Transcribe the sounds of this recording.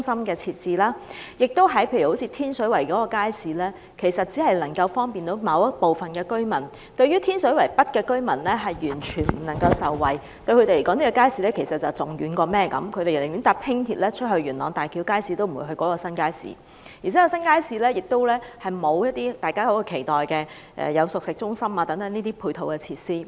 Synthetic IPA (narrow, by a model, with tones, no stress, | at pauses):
ʊ˥ŋsɐ˥mkɛː˧t͡sʰiː˧t̚t͡siː˨˧laː˥jɪ˨k̚t̪o˥wɦɐ˨˥jpʰe˧jɥy˨˩ho˨˥wt͡sʰi˧t̪ʰiː˥nsɵ˨˥ɥwɐ˨˩jkɔː˨˥kɔː˧kaː˥jsiː˨˥lɛː˥ | kʰe˨˩jsɐ˨t̚t͡si˨˥hɐ˨jlɐ˨˩ŋkɐ˧wfɔː˥ŋpiː˨nt̪o˨˥wmɐ˨˧wɐ˥po˨wfɐ˨nkɛː˧kɵ˥ɥmɐ˨˩n | t̪ɵ˧ɥyː˥t̪ʰiː˥nsɵ˨˥ɥwɐ˨˩jpɐ˥t̚kɛː˧kɵ˥ɥmɐ˨˩nlɛː˥ɦɐ˨jɥyː˨˩nt͡ʃʰyː˨˩nm̩˨˩nɐ˨˩ŋkɐ˧wsɐ˨wːɐ˨˩j | t̪ɵ˧ɥkʰɵ˨˧te˨le˨˩kɔ˨˥ni˥kɔ˧kaː˥jsiː˨˧lɛː˥kʰe˨˩sɐ˨t̚t͡sɐ˨wt͡sʊ˨ŋjyː˨˥nkɔː˧mɛː˥kɐ̰˨˥mkʰɵ˧t̪e˨jljy˨˥nt̪aː˨˧p̚t̪ʰɪ˥ŋt̪ʰiː˧t̚lɛː˥t͡ʃʰɵ˥t̚hɵ˧ɥyː˨˩nlɔː˨˧ŋt̪aː˨jkʰiː˨˧wkaː˥jsiː˨˧t̪o˥wm̩˨˩ṵ˨˧˥hɵ˧jkɔː˨˥kɔː˧sɐ˥nkaː˥jsḭː˨˥ | ji˨˩t͡sʰɛː˨˦˥kɔ˥˧sɐ˥nkaː˥jsiː˨˧lɛː˥jɪ˨k̚t̪o˥wlɛː˥hɐ˨jmo˨˧wjɐ˥t̚t̪iː˥t̪aː˨jkaː˥ko˨˧˥kɔ˧kʰe˨˩jt̪ɔː˨˩jkɛː˧ | ʔɛ̰ː˨jɐ˨˧wsʊ˨k̚sɪ˨k̚t͡sʊ˥ŋsɐ˥maː˧t̪ɐ˨˥ŋt̪ɐ˨˥ŋniː˥t̪iː˥pʰuː˧jt̪ʰo˨wkɛː˧t͡sʰiː˧t̚siː˥